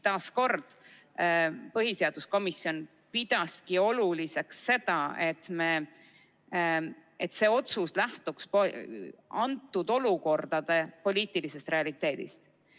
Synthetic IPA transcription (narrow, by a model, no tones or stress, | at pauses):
t̪ɑːsko̞rd̪̥ | pɤɦise̞ɑd̪̥usko̞misio̞n | pid̪̥ɑskio̞lulise̞ksːe̞d̪̥ɑe̞t̪me | et̪se̞ːo̞t̪suslæht̪ukspo | ɑnt̪ːˑud̪o̞luko̞rd̪̥ɑd̪̥e̞po̞lʲiːt̪ˑilise̞st̪re̞ɑlit̪ːˑe̞ːd̪̥ḭst̪